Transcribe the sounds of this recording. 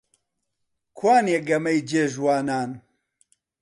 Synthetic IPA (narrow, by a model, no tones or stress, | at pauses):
kʰwaːnjeɡɐmɐjd͡ʒeːʒwaːnaːn